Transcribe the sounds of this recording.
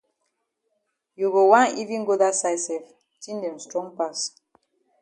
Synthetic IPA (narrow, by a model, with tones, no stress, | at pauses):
ju˨ɡo˨wã˦ni˦vĩ˦nɡo˦da˦sa˦jsɛ˨f | tĩ˦ndɛ̃˨mstɹɔ̃˦ŋpa˦˨s